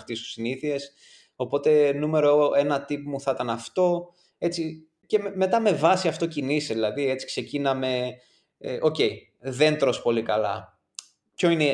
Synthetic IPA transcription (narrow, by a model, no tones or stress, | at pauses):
xt̪ist̪u̥siniθie̞s | o̞po̞t̪e̞nume̞ɾoʔe̞nɐt̪ipmuθɐt̪ɐnɐft̪o̞ | e̞t͡si | ce̞me̞t̪ɐme̞vɐsiɐft̪o̞ciniseðilɐðie̞t͡si̥kse̞cinɐme̞ | ʔo̞ce̞j | ðe̞nt̪ɾo̞spo̞likɐlɐ̰ | pço̞ine